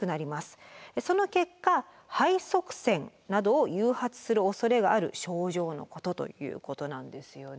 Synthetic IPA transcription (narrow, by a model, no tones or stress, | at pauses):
ɯ̟naɾʲimasɨ̥eso̞no̞ke̞kːa | haiso̞kɯ̟̥sẽ̞nnad̪o̞ːjɯ̟ːhat͡sɨ̥sɨɾɯ̟o̞so̞ɾe̞ɡaːɾɯ̟̰ɕo̞ːʑo̞ːno̞̰ko̞t̪o̞t̪o̰jɯ̟̰ːko̞t̪o̞nãnd̪e̞sɨjo̞